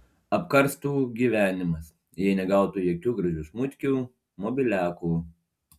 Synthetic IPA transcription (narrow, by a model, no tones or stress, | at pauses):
ɐpkɐɾst̪uːɡʲiːʋʲæːnʲɪmɐs | jɛɪnʲɛɡɐˑʊt̪uːjoɔkʲuːɡɾɐʒʲuːsmʊt̪ʲkʲuː | mɔːbʲɪlʲæːkuː